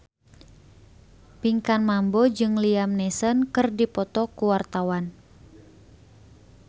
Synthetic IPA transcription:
piŋkanmambɔd͡ʒɨŋliamnɛsənkɨrdipɔt̪ɔkuwart̪awan

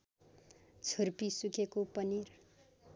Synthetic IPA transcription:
t͡sʰʌrpisukʰekopʌnir

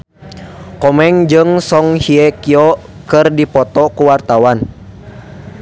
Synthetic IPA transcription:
kɔmɛŋd͡ʒɨŋsɔŋhiɛkiɔkɨrdipɔt̪ɔkuwart̪awan

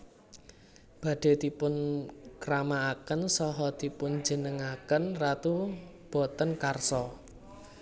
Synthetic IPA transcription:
b̥ä̤ɖ̥e̤d̪̥i̤pʊnkɾamaːkənsɔɦɔd̪̥i̤pʊnd͡ʒə̤nəŋakənrat̪ub̥ɔ̤t̪ənkarsɔ

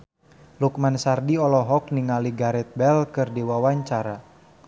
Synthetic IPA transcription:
luk̚mansardiɔlɔɦɔk̚niŋaliɡaɾɛt̪̚bɛlkɨrdiwawaɲt͡ʃaɾa

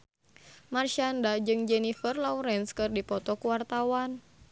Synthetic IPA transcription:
marʃandad͡ʒɨŋd͡ʒɛnifərlauɾɛnskɨrdipɔt̪ɔkuwart̪awan

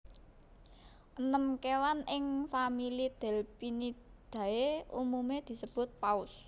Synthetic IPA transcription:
ʔənəmkewanʔɪŋfamilid̪̥ɛ̤lpinid̪̥ä̤eumumed̪̥i̤səb̥ʊ̤t̪̚paʊs

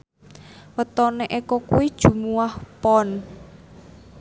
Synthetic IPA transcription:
wət̪ɔneʔekɔkuwid̥ʒ̥ṳmuwahpɔn

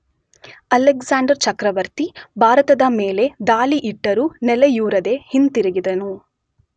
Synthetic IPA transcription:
ɐlekzaːɳɖɐɾt͡ʃɐkɾɐʋɐɾt̪ibʱaːɾɐt̪ɐd̪ɐmeːle̞d̪aːliʔiʈːɐɾunɛlejuːɾɐd̪e̞hint̪iɾiɡid̪ɐnu

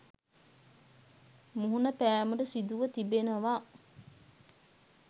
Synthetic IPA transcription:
muɦunəpæːmuɖəsid̪uʋət̪ibenəʋaː

